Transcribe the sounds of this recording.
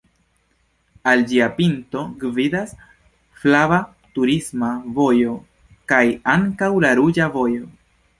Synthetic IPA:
ald͡ʒiapinto̞ɡvidas | flava | tuɾismavo̞jo̞ | kajaŋkawlaɾud͡ʒavo̞jo

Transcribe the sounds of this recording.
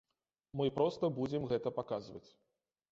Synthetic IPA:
mɨpɾɔst̪ɐbud͡zʲɪmɣɛt̪ɐpakazvɐ̰t͡sʲ

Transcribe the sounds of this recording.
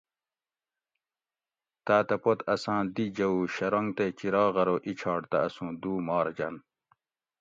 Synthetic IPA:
t̪aːt̪ɐpot̪ɐsɑ̃ːd̪id͡ʑɐuːɕɐɾoŋɡt̪et͡ɕiɾɑːɣɐɾoʔit͡ɕʰɑːɽt̪ɐɐsũːd̪uːmɑːɾd͡ʑɐ̰n

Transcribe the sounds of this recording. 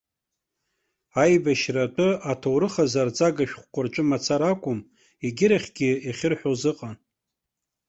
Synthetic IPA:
ajbaʃratʼʊatʰowɾɨχazart͡sʼaɡaʃᶣχʷkʷʼʊrt͡ʃʷʼɨmat͡sʰaɾakʷʼʊm | iɡʲɪɾaχʲɡʲɪiχʲɪrħʷᶣozɨqʼan

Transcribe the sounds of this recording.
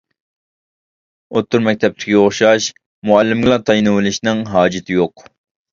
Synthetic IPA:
ot̪ːʊɾmɛk̚ʲt̪ʰɛp̚t̪ʰɪ̥kʲʰioχʃɑʃ | mʊælːɪmɡʲlˠɑt̪ʰɑjnɨwɨlɪʃnɪŋɦɑːd͡ʒɪt̪ʰɪjoq

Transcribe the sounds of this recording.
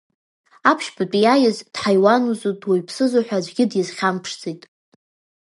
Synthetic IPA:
apʰʃbapʼijajɪzd̥ħajwanuzutʼʰwajpʰsɨzaħʷᶣazʷɡʲɪdjɪzχʲampʰʂd͡zʼijtʼ

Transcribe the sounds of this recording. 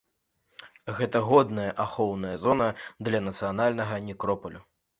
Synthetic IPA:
ɣɛt̪ɐɣɔd̪nɐjɐʔaxɔwnɐjɐzɔnɐd̪lʲɐnɐt̪sɨjanalʲnɐɣɐnʲikɾɔpɐlʲu

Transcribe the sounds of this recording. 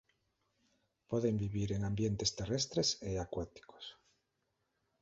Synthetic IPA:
poðembiβiɾeŋãmbjent̪est̪erest̪ɾeseakwat̪i̥ko̥s

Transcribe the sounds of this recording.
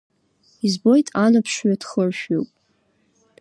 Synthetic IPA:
izbo̞jtʼanapʰʂɥadχərʃᶣowpʼ

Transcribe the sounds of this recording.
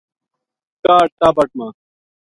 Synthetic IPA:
kaːʈ̚t̪aːbɐʈ̚maː

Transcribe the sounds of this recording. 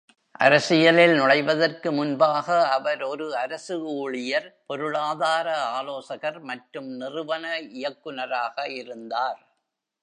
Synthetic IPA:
ʔɐ̰ɾɐsɪjɐlɪlnʊɽɐɪʋɐðɐrkɯmʊnbaːɣɐːʋɐɾɔɾɯɐɾɐsɯuːɭɪjɐɾpɔɾɯɭaːðaːɾɐaːloːsɐɣɐɾmɐʈɾɯmnɪrɯʋɐnɐɪjɐkːɯnɐɾaːɣɐɪɾɯnd̪aːɾ

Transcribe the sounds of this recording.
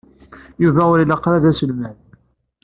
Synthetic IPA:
juvæʊɾilɑqɾæðæsəlmæn

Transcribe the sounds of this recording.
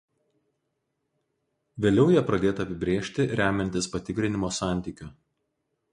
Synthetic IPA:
ʋʲeːlʲɛʊjɛpɾɐd̪ʲeːt̪ɐpʲɪbʲɾʲeːʃʲt̪ʲɪɾʲæːmʲɛnʲt̪ʲɪspɐt̪ʲɪkɾʲɪnʲɪmoːsɑˑnʲˑt̪ʲiːkʲʊ

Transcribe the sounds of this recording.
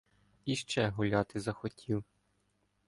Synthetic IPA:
iʃt͡ʃɛɦʊlʲɑt̪ɪzɐxɔtʲʰiw

